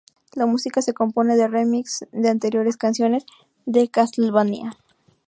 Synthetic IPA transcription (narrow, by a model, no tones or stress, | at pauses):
lamusikase̞ko̞mpo̞ne̞ðe̞remiksd̪e̞ant̪e̞ɾjo̞ɾe̞skansjo̞ne̞z | ðe̞kaslβanḭa